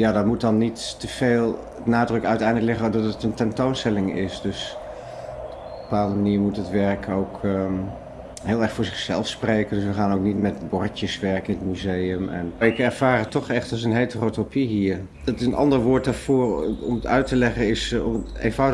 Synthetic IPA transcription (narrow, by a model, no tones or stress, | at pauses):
jaːdɑtmut̚dɑnːittəv̥eːlˠ | naːdrɵkœɥtɛjndləklɛχənɔdɑtətəntɛntownstɛlɪŋɪsdøs | bəpaːlˠəndəmaniːɹmutətʋɛɹkʰowk | ɦeːlˠɛɹχfʊːɹzɪχsɛ̰lˠfsprejkəndɵsʋəχaːnowknitmɛtbɔɹtjəsʋɛɹkəɪnətmyzejəmɛ̰nɪkɛɹv̥aːrətɔχɛχtɑlˠs̬ənɦejtərotopiɦiːɹ | dɑtɪsənɑ̰ndəɹʋʊːɹt̚daːɹv̥ʊːɹɔ̰mətœ̰ɥtəlɛχəɪsɔ̰mḛjnvɑwd